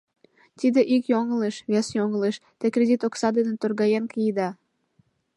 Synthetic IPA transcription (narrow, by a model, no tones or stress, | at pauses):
t̪id̪eʔikjoŋəleʃβʲesjoŋəleʃt̪ekrʲed̪ʲit̪oksɑd̪enet̪orɣɑjenkijid̪ɑ